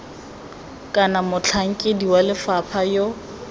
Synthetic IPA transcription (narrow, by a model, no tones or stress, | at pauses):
kʼanamʊt͡ɬʰaŋ̩kʼɪdiwalɪfapʰajo